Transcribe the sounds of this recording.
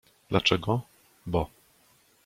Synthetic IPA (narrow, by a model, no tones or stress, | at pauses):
d̪lʔat͡ʂɛɡɔ | bɔ